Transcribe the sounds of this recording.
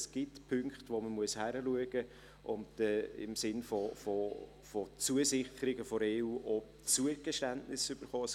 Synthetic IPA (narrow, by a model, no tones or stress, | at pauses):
sɡ̥ɪtpʰʏŋkχtʋoməmuəshæɾəluəɡ̥ə | ʔʊntɛɪ̰msɪnfɔfo | fot͡suəsɪχəɾɪɡəfɔɾeːuːʔɔ | t͡suəɡ̥əʃtæntnɪsʏb̥əɾχɔːɛs